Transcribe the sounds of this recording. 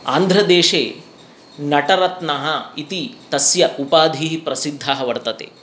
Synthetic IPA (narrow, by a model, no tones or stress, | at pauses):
a̰ːnd̪ʱɾɐd̪eːʂeː | nɐʈɐɾɐt̪nɐɦɐit̪it̪ɐsjɐʔupaːd̪ʱiːɦipɾɐsid̪ʱːaɦɐʋɐɾt̪ɐt̪ḛ